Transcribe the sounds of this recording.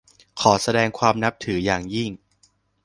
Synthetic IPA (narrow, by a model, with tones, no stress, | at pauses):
kʰɔː˩˦sa˧dɛː˧ŋkʰwaː˧mna˦˥p̚t̪ʰɯː˩˦jaː˨˩ŋji˥˩ŋ